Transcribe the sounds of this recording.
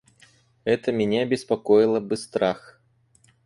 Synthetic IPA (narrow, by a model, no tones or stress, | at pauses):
ɛt̪əmʲɪnʲaɐbʲɪspakɔjɪlˠəbɨst̪ɾax